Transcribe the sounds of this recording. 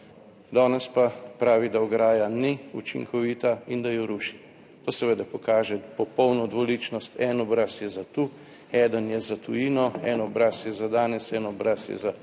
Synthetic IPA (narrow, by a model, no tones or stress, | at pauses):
d̪ɔːnɛspapɾaːʋid̪aɔɡɾaːjaniut͡ʃḭŋkʰɔʋiːt̪aind̪ajɔɾuʃi̥ | t̪oːsɛʋed̪apɔkaːʒɛpɔpɔwnɔd̪ʋɔliːt͡ʃnɔst̪ɛnɔbɾasjɛzat̪u | ɛːd̪ənjɛzat̪ujiːnɔɛnɔbɾasjɛzad̪aːnɛsɛnɔbɾasjɛ̰za